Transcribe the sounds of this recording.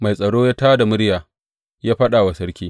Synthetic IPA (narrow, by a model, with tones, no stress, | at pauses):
ma˨jsʼɐ˨ɽoː˦jaː˦taː˦da˨mʊ˦ɽjaː˨ | jaː˦ɸɐ˦ɗa˨wa˨sɐ˦ɽkʲiː˦